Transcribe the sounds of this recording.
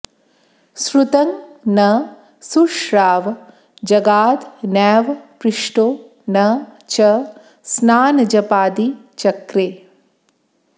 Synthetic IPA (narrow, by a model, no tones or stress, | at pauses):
sɾut̪ɐŋnɐ | suʂɾaːʋ | d͡ʒɐɡaːd̪nɛːʋpɾiʂʈoː | nɐ | t͡ʃɐ | snaːnɐd͡ʒɐpaːd̪i | t͡ʃɐkɾeː